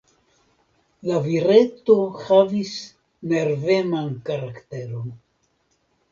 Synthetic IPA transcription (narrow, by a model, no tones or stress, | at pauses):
laviɾe̞to̞havis | ne̞ɾve̞mankaɾakte̞ɾo̞n